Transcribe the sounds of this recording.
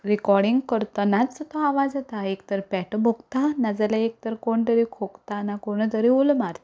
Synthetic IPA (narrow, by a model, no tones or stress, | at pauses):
ɾikɔɾɽiŋɡkəɾt̪ɔnat͡ssət̪ɔaʋad͡zat̪aekt̪əɾpɛʈbʱokt̪anad͡zalaek̚t̪əɾkoɳt̪əɾikʰokt̪anakoɽ̃ət̪əɾiolmaɾt̪ḁ